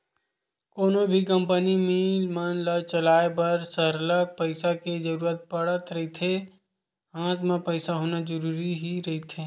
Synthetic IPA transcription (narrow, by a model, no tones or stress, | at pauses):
koːnobʱik̬ə̃mpənimilmənlət͡ʃɐlaːep̬ɐɾsəɾlək̚pəɪsaked͡ʒəɾuːɾət̪̚pəɽət̪ɾɐɦit̪ʰe | ãːt̪mẽpəɪsaɦoːnad͡ʒəɾuːɾiɦiɾɐɦit̪ʰeː